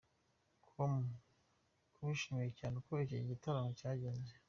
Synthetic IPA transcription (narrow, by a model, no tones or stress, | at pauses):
kʰomu | kʰuβuʃimiicanukoeciɟitaɾamocaːɟeːnze